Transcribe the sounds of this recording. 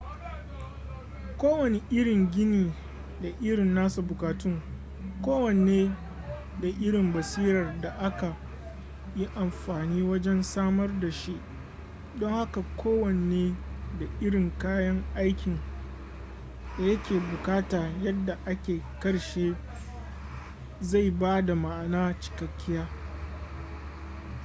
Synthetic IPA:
kʷoː˦wɐ˨ne˦ʔɪ˦ɽɪ˨ŋɡʲɪ˦niː˨ | da˨ʔɪ˦ɽɪ˨nːaː˦su˨bʊ˨kaː˨tʊ˦ŋ | kʷoː˦wɐ˨neː˦ | da˨ʔɪ˦ɽɪ˨mbɐ˨siː˦ɾɐ˨rda˨ʔa˦ka˨ | ji˦ʔa˨mɸaː˨niː˦wɐ˦d͡ʒɛ˦nsaː˦mɐ˦rda˨ʃi˦ʔ | dɔ˦ŋha˦ka˨kʷʰoː˦wɐ˨n˨eː˦da˨ʔɪ˦ɽɪ˨ŋkaː˦jɐ˦ŋʔa˦jkʲɪ˨ŋ | da˨jɐ˦kʲeː˨bʊ˨kaː˦taː˨jɐ˦dːa˨ʔa˦kʲeː˨kɐ˦ɽʃeː˦ | za˦˨jbaː˦da˨ma˨ʔnaː˦t͡ʃɪ̥˨kɐ˨kʲːɪ˦jaː˦

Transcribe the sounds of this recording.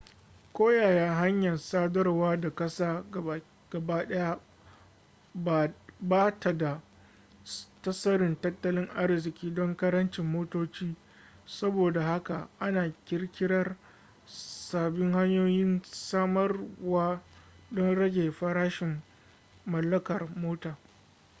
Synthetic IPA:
kʷoː˦jaː˨jaː˦ɦa˦ɲjɐ˨nsaː˦dɐ˦rwaː˦da˨kɐ˦saː˦˨ | ɡ̥ɐ˨baː˦ɗɐ˦ja˦ | bbaː˦tʰa˨da˨ | tɐ˦sɐ˦ɾɪ˨ntɐ˦tːɐ˦lɪ˦ŋʔa˦rzɪ˨kʲiː˦dɔ˦ŋkɐ˦ɾɐ˦nt͡ʃɪ˨mːoː˦toː˦t͡ʃiː˦ | sɐ˦boː˨da˨ha˦ka˨ʔa˦naː˨kʲɪ˦ɽkʲɪ˦ɽɐ˦r | saː˨bɪ˦ŋha˦ɲjoː˦jɪ˦nsaː˦mɐ˦rwaː˦ | dɔ˦nɽɐ˦ɡʲeː˨ɸɐ˦ɾaː˦ʃɪ˨mː | ɐ˨lːɐ˦kɐ˨rmoː˦taː˨

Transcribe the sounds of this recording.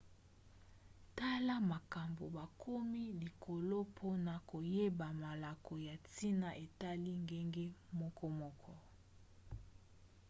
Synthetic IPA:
ta˦la˦ma˨ka˨mbo˨ba˨kʰo˦mi˦li˨kʰo˨lo˦pʰo˦na˨ko˨je˦ba˨ma˨la˨ko˨ja˨ti˦na˨ʔe˨ta˦li˦ŋɡe˦ŋɡe˦mɔ˦kʰɔ˦mɔ˦kʰɔ˦

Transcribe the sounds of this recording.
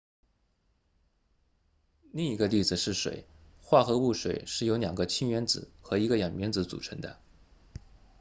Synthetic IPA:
li˥˩ŋi˧˥ɡə˧li˥˩d͡zɹ̩˨˩ʂɻ̩˥˩ʂwḛ˨˩ɪxwa˥˩xɤ˧˥u˥˩ʂwe˨˩ɪʂɻ̩˥˩jo˧˥ljɑ˨˩ŋɡə˦t͡ɕʰi˥ŋɥɛ˧˥nd͡zɹ̩˨˩˦xɤ˧˥i˧˥ɡə˧jɑ˨˩ŋmɛ˧˥nt͡sɹ̩˧˥t͡sṵ˨˩ʈ͡ʂʰə˧˥ŋd̪ə̰˧

